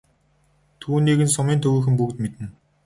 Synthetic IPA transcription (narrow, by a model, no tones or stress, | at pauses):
t̪ʰuːniːɣɘ̆nsʊmiːnt̪ʰɵɣuːxɘ̆mpukt̪met̪ɘ̆n